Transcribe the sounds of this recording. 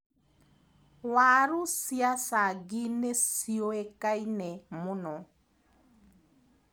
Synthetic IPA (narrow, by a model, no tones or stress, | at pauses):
waɾʊsjasaɡɪnesioekainɛmʊnɔ